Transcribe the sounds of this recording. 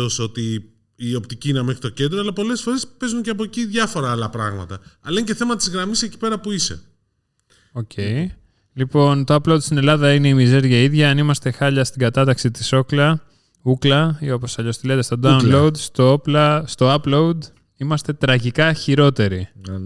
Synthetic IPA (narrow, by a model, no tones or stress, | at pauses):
o̞so̞t̪i | io̞pt̪iciinemexɾit̪o̞ce̞nd̪ɾoɐlɐpo̞le̞sfo̞ɾe̞spe̞zunceɐpo̞ciðʝɐfo̞ɾɐɐlɐpɾɐ̰ɣmɐ̰t̪ɐɐlɐnceθe̞mɐt̪ɐt̪izɣɾɐmiseci̥pe̞ɾɐpuisḛ | o̞cʰe̞j | lipo̞nt̪o̞ɐploud̪st̪ine̞lɐðɐine̞imize̞ɾʝɐiðʝɐɐnimɐst̪e̞xɐʎɐst̪iɡɐt̪ɐt̪ɐksit̪i̥so̞klɐ | uklɐio̞po̞sɐʎo̞st̪ilet̪est̪o̞d̪ɐulo̞ud̪st̪ooplɐst̪o̞ɐploud̪ | imɐst̪e̞t̪ɾɐʝikɐçiɾo̞t̪e̞ɾi